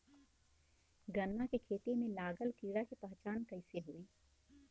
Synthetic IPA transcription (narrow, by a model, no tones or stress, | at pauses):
ɡənːakekʰeːt̪emẽlaːɡəlkiːɾakepəɦt͡ʃaːnkəɪseɦoːiː